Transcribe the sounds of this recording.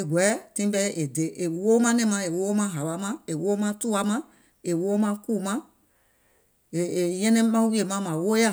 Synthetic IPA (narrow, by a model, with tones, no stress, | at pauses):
e˨ɡʷɛ˨˦tĩ˦bɛ˦ʔe˨de˨˦ʔe˨wo˦mã˦nɛ̃˦˨mã˧˦e˨wo˦mã˦ɦa˨wa˨˦mã˦e˨wo˦mã˦tu˦a˦mã˦ | e˨wo˦mã˦ku˦˨mã˦ | e˨jɛ̃˦nɛ̃˦mã˦wi˦e˨mã˦mã˨wo˦ja˦˨